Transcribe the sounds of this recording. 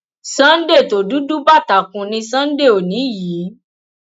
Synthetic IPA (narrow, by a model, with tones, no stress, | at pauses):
sã˦n̩˦de˦˨to˨˦du˨˦du˦ba˦˨ta˨kũ˧nĩ˧sã˦n̩˦de˦˨o˨nĩ˨˦jiː˨˦